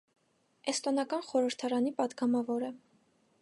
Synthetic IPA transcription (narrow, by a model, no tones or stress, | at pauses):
ɛst̪ɔnɑkɑnχɔɾəɾt̪ʰɑɾɑnipɑd̪ɡɑmɑvɔɾə